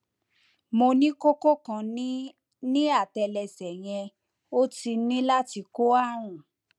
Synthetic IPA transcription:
mo˧nĩ˦ko˦ko˦kã˧˨n˦ | nĩ˦a˦˨tɛ˧lɛ˧sɛ˨j̃ɛ̃˧ | o˦ti˧˦nĩ˦la˦ti˧ko˦a˦˨ɾ̃ũ˨

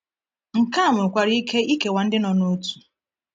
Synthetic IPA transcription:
ŋ̩˨ka˦˨mʊ˨kʷa˨ɾi˦i˦ke˦i˦ke˨wa˨n̩˦dɪ˦nɔ˨no˦tu̥˨

